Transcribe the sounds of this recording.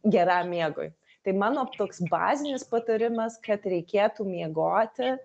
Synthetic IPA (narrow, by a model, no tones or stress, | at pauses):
ɡʲɛɾɑːmmʲːiɛɡo̰ːj | t̪ɐɪmɑːnoːt̪oːksbɑ̰ːzʲɪnʲɪspɐt̪oɾʲɪmɐskɐt̪ɾʲɛɪkʲeːt̪uːmʲiɛɡoːt̪ʲɪ